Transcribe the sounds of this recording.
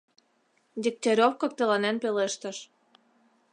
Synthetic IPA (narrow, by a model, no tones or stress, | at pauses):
d̪ʲik̚t̪ʲeɾʲofkɤ̆k̚t̪ɤ̆lɑnenpeleʃt̪ə̆ʃ